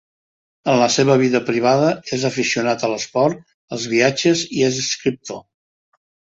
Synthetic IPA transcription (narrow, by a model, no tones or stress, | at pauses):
ənləseβəβ̞iðəpɾiβ̞aðəezəfisiunat̪ələspɔɾt̪ | əlˠzβ̞iad͡ʒəziezəskɾip̚t̪o